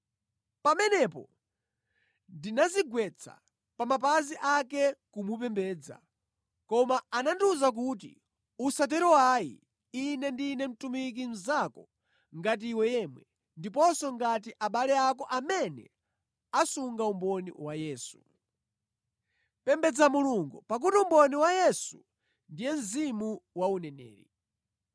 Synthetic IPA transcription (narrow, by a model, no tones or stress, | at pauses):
pamɛnɛpɔ̰ | ndinaziɡwɛt͡sʰa̰ | pamapaziʔakɛkumup̬ɛmbɛːd͡za̰ | kɔmaːnanduzak̬ut̬ḭ | usat̬ɛɾɔwaḭ | inɛndinɛm̩tumik̬in̩zakɔ | ŋɡat̬iːwɛjɛmwɛ | ndip̬ɔsɔŋɡat̬iʔaɓalɛakɔʔamɛnɛ̰ | asuŋɡaumbɔnḭwajɛːsu̥ | pɛmbɛd͡zamuluŋɡupak̬utiumbɔniwajɛsu | ndijɛm̩zimuwaunɛnɛ̰ːɾḭ